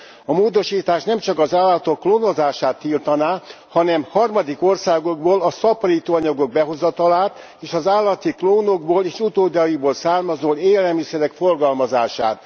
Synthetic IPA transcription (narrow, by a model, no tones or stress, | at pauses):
ɒmoːd̪o̞ʃiːt̪aːʃnɛmt͡ʃɒkɒzaːlːɒt̪o̞kːloːno̞zaːʃaːt̪ːiːlt̪ɒnaː | hɒnɛmhɒrmɒd̪iko̞rsaːɡo̞ɡ̚boːlɒsɒpɒliːt̪oːɒɲɒɡo̞ɡ̚bɛɦo̞zɒt̪ɒlaːt̪ | eːʃɒzaːlːɒt̪ikloːno̞ɡboːleːʃut̪oːd̪ɒjiboːlsaːrmɒzoːleːlɛlmisɛɾɛkfo̞rɡɒlmɒzaːʃa̰ːt̪̚